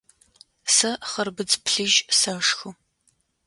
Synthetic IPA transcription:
sɐχɐrbɨd͡zpʰɬɨʒsɐʂxɨ

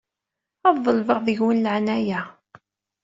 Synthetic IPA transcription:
ɑðˤðːˤəlvəʁðəʝwənləʕnæjæ

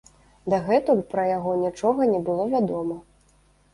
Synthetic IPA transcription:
d̪ɐɣɛt̪upɾɐjaɣɔnʲit͡ʂɔɣɐnʲɛbɨlˠɔvʲad̪ɔmɐ

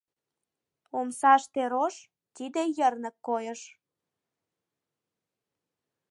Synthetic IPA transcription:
omsɑʃt̪eɾoʃ | t̪id̪ejərnə̆kːojəʃ

